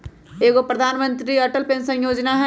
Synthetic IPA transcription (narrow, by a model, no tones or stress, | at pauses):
eːɡopɾəd̪ʱaːnmə̃nt̪ɾiɐʈəlpẽnsə̃njoːd͡ʒnaɦɛ